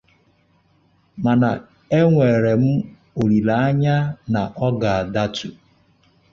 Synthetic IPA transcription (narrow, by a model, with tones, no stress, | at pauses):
ma˨na˨ | e˦ŋʷe˨ɾe˨m̩˦ | o˨ɾi˨la˨a˦ɲa˦na˨ʔɔ˦ɡa˨a˨da˦tu˨